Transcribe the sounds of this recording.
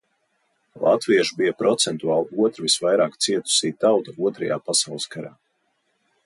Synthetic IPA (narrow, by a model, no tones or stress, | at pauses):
lˠʔa̰t̪viɛʃubijapɾɔt̪sɛnt̪uaːlˠiuɔt̪ɾvisvajɾaːkt̪siɛt̪u̥siːt̪awt̪auɔt̪ɾɐja̰ːpasawlˠskaɾa̰ː